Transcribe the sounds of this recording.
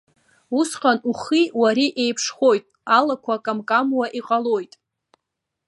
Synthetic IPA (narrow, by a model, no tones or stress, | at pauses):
usqʼanuχiwaɾiʔe̞jpʰʂχo̞jtʼalakʷʰakʼamkʼamwaʔiqʼalojtʼ